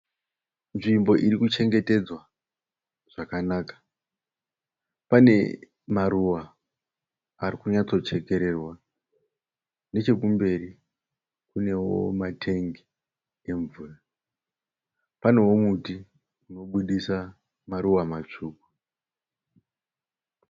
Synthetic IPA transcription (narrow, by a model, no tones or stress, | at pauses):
nʐimbo̞ʔirikut͡ʃe̞ŋɡe̞te̞d͡zwa | ʐ̥akanaːkḁ | pane̞̰ | maɾuʋa | rikuɲat͡so̞t͡ʃe̞ke̞ɾe̞rwa | ne̞t͡ʃe̞kumbe̞ri | kune̞wo̞̰matʰe̞ŋɡi | e̞ɱvuːra | pane̞wo̞muti | uno̞ɓuɗisa | maɾuʋamat͡ʂuːku